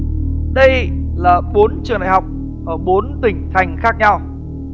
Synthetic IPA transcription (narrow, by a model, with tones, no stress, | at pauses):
ɗə˧jlaː˨˩ɓo˨˦nt͡ɕɨ˨˩ə˩ŋtɗa̰ː˧˨˩hwk͡p̚ | ʔəː˧˩ɓo˨˦nt̪ï˨˩ŋ̟t̪ʰa˨˩jŋ̟xaː˦˥k̚ɲa˧w